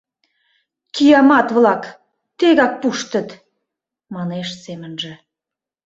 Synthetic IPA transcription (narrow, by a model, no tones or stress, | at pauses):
kijɑmɑt̪βlɑk | t̪eɣɑk̚puʃt̪ə̆t̪ | mɑneʃsemənʒĕ